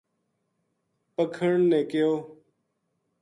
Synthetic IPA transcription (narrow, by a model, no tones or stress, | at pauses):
pəkʰəɳnẽːkɪjoː